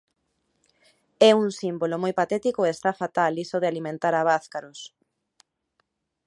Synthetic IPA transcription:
ɛuŋsimbolomojpat̪ɛt̪ikoeest̪afat̪alisoðealimẽnt̪aɾaβ̞aθkaɾos

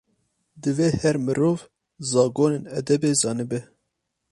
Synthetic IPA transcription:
d̪ɨveːhɛɾmɨɾoːv | zɑːɡoːneːnɛd̪ɛbeːzɑːnɨbɛ

